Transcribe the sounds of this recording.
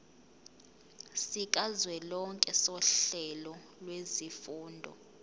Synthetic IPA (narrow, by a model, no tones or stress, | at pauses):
sik̬ʼazwɛlɔŋkʼɛsɔɬɛlɔ | lwezifuːndʱɔ̰